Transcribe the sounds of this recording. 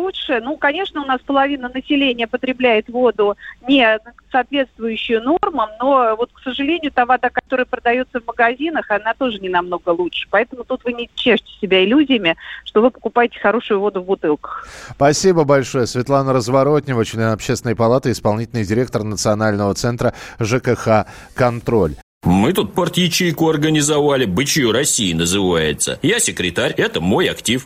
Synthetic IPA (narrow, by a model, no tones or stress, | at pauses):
lˠuʂɨnukɐnʲe̞ʂnəʊn̪aspəlˠɐvʲinənəsʲɪlʲenʲɪjəpət̪ɾʲɪblʲæjɪt̪vo̞d̪ʊnʲɪsaːt̪vʲe̞t̪st̪vʊjʉɕːɪjʊno̞rməno̞vo̞t̪ksəʐɨlʲenʲɪjʊt̪avad̪akɐt̪o̞ɾəjəpɾəd̪ɐjo̞t̪səvməɡɐzʲin̪əxɐnat̪o̞ʐɨnʲɪnɐmno̞ɡəlˠutʂɨ̥pɐɛt̪əmʊt̪ut̪vɨnʲɪt͡ɕːeʐtʲɪ̥sʲɪbʲæɪlʲuzʲɪjɪmʲɪʂt̪o̞vɨpəkʊpajɪtʲɪ̥xɐɾo̞ʂʊjʊvo̞d̪ʊvbʊt̪ɨlˠkə̥xpɐsʲibəbɐlʲʂo̞jəsvʲɪt̪lˠanəɾəzvɐɾo̞tʲnʲɪvət͡ɕlʲenɐpɕest̪ʲɪnəjəpɐlˠat̪ɨɪspɐlˠnʲitʲɪlʲnəjdʲɪɾʲe̞k̚t̪ərnət̪sɨɐnalʲnəvət̪sɛnt̪ɾəʐɨkəxa | kɐnt̪ɾo̞lʲ | mɨt̪ut̪̚pɐrt̪jɪt͡ɕijkʊɐrɡənʲɪzɐvalʲɪbɨt͡ɕɪjuɾɐsʲiɪnəzɨvajɪ̰t̪sə̰jasʲɪkɾʲɪt̪aɾʲɛt̪əmo̞jɐktʲif